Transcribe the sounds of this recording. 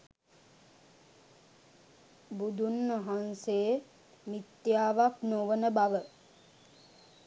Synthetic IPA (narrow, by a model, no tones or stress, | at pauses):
bud̪unʋaɦansejə | mit̪jaːʋaknoʋənəbaʋə